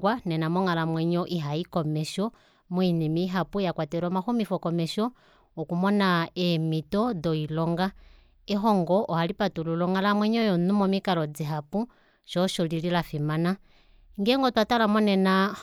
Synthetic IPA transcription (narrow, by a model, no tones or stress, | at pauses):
wanɛnamɔŋalamwɛɲɔʔiɦaikɔmɛʃɔ | muinimiiɦapujakwatɛɾɔmaxumifɔkɔmɛʃɔː | kumɔnaɛmitɔdɔilɔŋɡa | ɛɦɔŋɡɔʔɔhalipatululɔŋalamwɛɲɔjɔnumɔmikalɔd͡ziɦapu | ʃɔʃɔlililafimana | ŋɡɛŋɡɔtwatalamɔnɛna